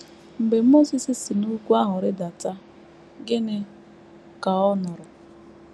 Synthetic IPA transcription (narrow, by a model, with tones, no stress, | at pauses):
m̩˨be˨m̩˦mo˦si˨sɪ˨si˨nu˦kʷu˦a˦ɦʊ˨ɾɪ˦da˨ta˦ | ɡɪ˦nɪ˦ | ka˨ɔ˦nʊ˨ɾʊ˨